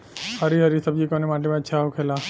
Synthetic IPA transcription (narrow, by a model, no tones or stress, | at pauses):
həɾiɦəɾisəb̚d͡ʒikoːnemãːʈ̬emẽətːʃʰaɦokʰeːla